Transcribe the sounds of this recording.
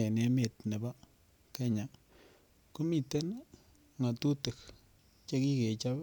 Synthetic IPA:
e˨ne˨me˨tne˨ba˦ | ke˦ɲa˨ | ku˦mi˦tɛ˦n | ŋa˨tu˦te˨k | t͡ʃe˦ki˦ke˨t͡ʃa˦p

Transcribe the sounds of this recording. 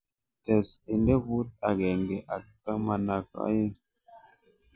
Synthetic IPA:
tɛ˨se˨nde˦vu˦t̚a˨ɡe˨ŋ˨ɡe˨ʔa˨ta˦ma˨na˨ka̰˦je˦

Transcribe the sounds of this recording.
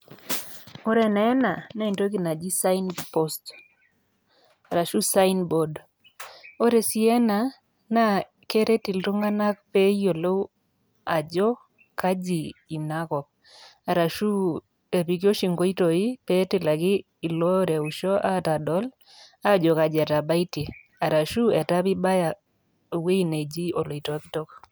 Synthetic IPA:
o˦ɾɛ˦na˨ɛ˦na˨na˦i˨nto˦k̬i˨na˨d͡ʒi˦sa˦inpɔ˦st | a˨ɾa˨ʃu˦sa˦i˦nbo˨d | o˦ɾe˨si˦ɛ˦na˨ | na˦ | ke˦ɾe˦ti˨ltu˦ŋa˦na˦k̚pɛ˦jo˨lo˦ | a˨d͡ʒɔ˦ | ka˦d͡ʒiː˨na˦kɔ˨k̚ | a˨ɾa˨ʃu˦ | e˨pi˨k̬i˦o˦ʃi˨ŋɡo˦i˦to˨i˦pe˦ti˨la˨ɡɪː˦˨ | lɔ˦ɾɛ˨u˨ʃɔ˦ʔa˦ta˨dɔ˦l | a˦d͡ʒɔ˨ka˨d͡ʒɛ˨ta˨ba˦i˦ti˨ | a˨ɾa˨ʃu˦ɛ˨ta˦pi˦ba˦ja˨ | we˦i˨ne˨d͡ʒi˦o˨lo˨i˨tɔ˨˦ptɔ˦k

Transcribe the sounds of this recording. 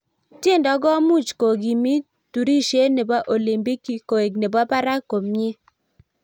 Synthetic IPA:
tje˦˨ndɔ˨˦ɡɔ˦mu˦t͡ʃko˨ɡi˨mi˦ | tu˨ɾi˦ʃe˦ne˨ba˦ʔo˨li˨mbi˦ki˨ko˨e˨ɡne˨ba˦pa˦ɾa˦ko˨mɲɪ˦

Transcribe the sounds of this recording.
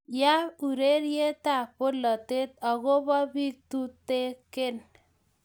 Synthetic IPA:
ja˦u˨ɾe˦ɾje˦ta˨po˦lɔ˨te˦t̪̚ɔ˨ɣo˦bɔ˦bi˦k̚t̪u˦te˦ke˦n

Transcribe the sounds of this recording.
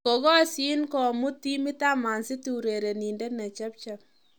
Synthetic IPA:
ko˨ɣɔ˦si˦nkɔ˨mu˦ti˦mɪ˦ta˦ma˨nsɪ˦tu˨ɾe˨ɾe˨ni˨ndɛ˦nɛ˨t͡ʃɛ˦p̚t͡ʃɛ˦p̚

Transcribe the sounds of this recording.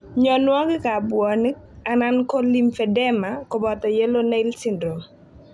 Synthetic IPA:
ɲɔ˨nwa˦ɡɪ˦ka˨bwɔ˨ni˦k̚ | a˨na˦nko˦li˦mfɛ˨dɛ˦ma˨kɔ˨bɔ˨ta˨jɛ˦lo˦na˦ɪ˦lsi˨ndɾo˨m

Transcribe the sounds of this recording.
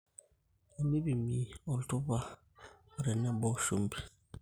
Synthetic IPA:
a˨mi˦bi˨mi˨ɔ˨ltu˦ba˦˨ | ɾɛ˨nɛ˦bɔ˦ʃo˦mbi˨

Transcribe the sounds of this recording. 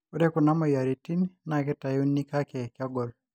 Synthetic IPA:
u˦ɾɛ˦ku˨na˦mɔ˨ja˨ɾi˨ti˦nna˨kɛ˦ta˨ju˦nːi˦ka˦kɛ˨kɪa˦ɡɔ˨l

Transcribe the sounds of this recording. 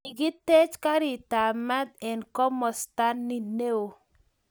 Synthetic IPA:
i˨ɡɪ˦te˦t͡ʃka˦ɾɪ˨ta˨ma˦d̪̚ɛ˨nkɔ˦mɔ˨sta˦nːi˦ne˦o˨

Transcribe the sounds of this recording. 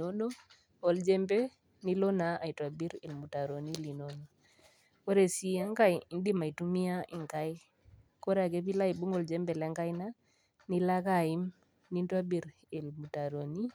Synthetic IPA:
o˦no˦ | ɔ˨˦ld͡ʒɛ˦mbɛ˦ | ni˦lɔ˦na˨a˨jtwa˨bi˦ɾi˨lmu˨ta˨ɾo˨ni˦li˨nono˨ | ko˦ɾe˨si˦a˦ŋɡa˦jndi˦ma˨i˨tu˦mi˦a˦ʔi˨ŋka˦j | ko˦ɾa˨ke˦pi˦la˦i˨bu˦ŋɔ˦˨ld͡ʒɛ˦mbɛ˨lɛ˦ŋɡa˦jna˦ | ni˦la˦ka˨i˦m | ni˦ntwa˦bi˨ɾ | i˨lmu˨ta˨ɾo˨ni˦

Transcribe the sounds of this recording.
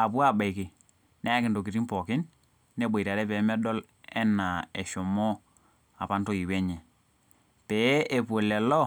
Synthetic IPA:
a˨pwa˦˨ba˨i˨kɪ˨ | nɛ˦ja˦kɪ˨ndo˨ki˨ɾi˦mpɔ˨kɪ˦nː | e˦bo˨ta˨ɾɛ˦pɛ˨˦mɛ˦dɔ˦l | ɛ˦na˨ɛ˨ʃɔ˨mɔ˦ | a˨pa˦nto˦i˨wɛ˦ɲɛ˨ | pɛ˨˦e˨po˨lɛ˨lɔ˦

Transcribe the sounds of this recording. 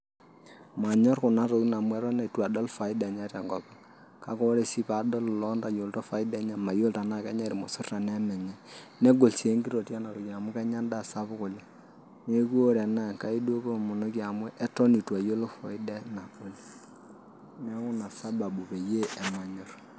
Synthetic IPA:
ma˨ɲɔ˦rkʊ˨na˦ɾo˨kna˨mwɛ˦ɾɔ˦na˨i˨twa˨dɔ˦lfa˨ɪ˦da˨ɲa˦ɾa˨ŋɡɔ˨pa˦ | ka˦kɔ˦ɾe˨si˦pa˨˦dɔ˦llɔ˦nda˨jo˨ltɔ˦fa˨i˦da˦ɲa˨ma˨jo˦˨lta˨na˦˨kɛ˦ɲa˦ɾi˨mo˨sʊ˦rta˨nɛ˦mɛ˨ɲɛ˨nɛ˦ɡo˨lsi˨e˦ŋɡi˦ɾo˨tja˦na˨ɾo˨ja˨mu˦kɛ˦ɲa˦nda˦˨sa˦βʊ˦ko˨la˦ | ne˦ku˦o˦ɾɛ˨na˦˨ŋka˦i˦dwo˦ko˦˨mʊ˨no˦ki˦a˨mwɛ˦ʔɛ˦tɔ˦ni˨twa˨jo˦lo˦fɔ˨ɪ˦dɛ˦na˨ko˦l | nɛ˦kʊ˦na˨sa˦ba˨bu˨pe˨je˦ɛ˨ma˨ɲɔ˦r

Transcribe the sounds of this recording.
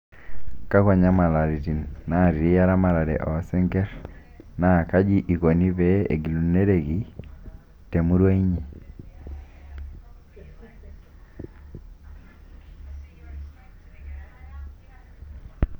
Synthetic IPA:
ka˦kɔ˨ɲa˦ma˨la˨ɾi˨ti˨nːa˨ɾi˨ɾi˦ja˦ɾa˦ma˨ɾa˨ɾɛ̰˨ʔɔ˨˦sɛ˦ŋɡɛ˦ɾ | na˨ka˦d͡ʒi˦ʔi˨ko˨ni˦pɛ˦ḛ˨ɡi˨lu˨ne˦ɾe˦˨ki˦ | te˨mu˦ɾwa˦i˦ɲi˨

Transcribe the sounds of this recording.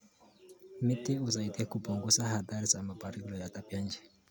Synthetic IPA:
mi˦tʼɪ˦uza˨i˨tɛ˦kubɔ˨ŋɡu˦sa˦ha˨d̪aɾi˦sa˨ma˨ba˨ɾi˦lɔ˨ja˨tʼa˦pja˦nd͡ʒɛ˨

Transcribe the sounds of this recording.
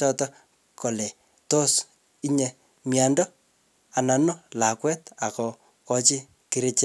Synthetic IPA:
t͡ʃɔ˦tɔ˦ | ko˨lɛ˨ | to˦s | i˦ɲe | mja˨ndɔ˦ | a˨na˨nɔ˦la˨kwɛ˦ta˨kɔ˨ | kɔ˨t͡ʃɪ˦ | ki˦ɾe˦t͡ʃe˦

